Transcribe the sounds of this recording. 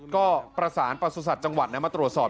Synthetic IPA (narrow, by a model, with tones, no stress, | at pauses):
kɔː˥˩pɾa˧saː˩˦npa˧suː˧s̬a˨˩t̪̚t͡ɕa˧ŋwa˨˩t̪̚nɛ˦˥maː˧˩t̪ɾu˨˩ət̪̚sɔː˨˩